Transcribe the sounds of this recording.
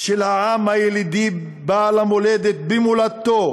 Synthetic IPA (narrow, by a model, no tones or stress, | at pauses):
ʃelhaʕamhajelid̪i | balamoled̪et̪̚bimulat̪ːo